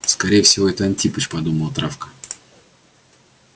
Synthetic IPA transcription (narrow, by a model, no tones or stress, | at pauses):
skɐɾʲejɪfsʲɪvoɛt̪əɐntʲipət͡ɕpɐd̪uməlˠt̪ɾafkə̥